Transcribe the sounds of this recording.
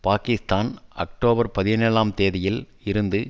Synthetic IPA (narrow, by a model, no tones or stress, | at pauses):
paːkɪst̪aːnɐ̰k̚ʈoːbɐɾpɐðɪneːlaːmt̪eːðɐjɪl | ɪɾɯnd̪ɯ